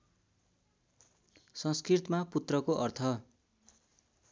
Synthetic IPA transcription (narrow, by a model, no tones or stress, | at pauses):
sʌŋskrit̪maput̪rʌkoʔʌrt̪ʰʌ